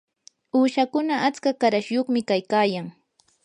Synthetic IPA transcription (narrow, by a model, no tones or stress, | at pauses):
uːʃakʊnaʔat͡skakaɾaʃjoχmɪkajkaːjaŋ